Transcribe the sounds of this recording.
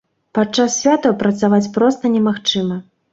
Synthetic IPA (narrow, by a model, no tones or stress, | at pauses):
pat͡ʂːasːʲvʲat̪ɐpɾɐt̪savat͡sʲpɾɔst̪ɐnʲɛmaxt͡ʂɨmɐ